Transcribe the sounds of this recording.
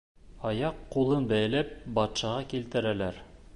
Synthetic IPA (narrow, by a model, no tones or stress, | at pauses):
ɑjɑqːulˠɤnbæj̆læp̚bɑt̪ʃɑʁɑkilt̪ɘ̆ɾælæɾ